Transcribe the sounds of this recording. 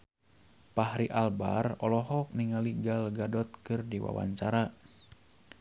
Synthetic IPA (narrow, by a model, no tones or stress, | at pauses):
pahɾiʔalba̰rɔlɔɦɔk̚niŋaliɡalɡadɔt̪̚kɨrdiwa̰wa̰ɲt͡ʃaɾa